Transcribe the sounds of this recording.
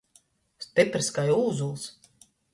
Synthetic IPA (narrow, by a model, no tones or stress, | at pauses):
st̪epɾiskajuːzulˠs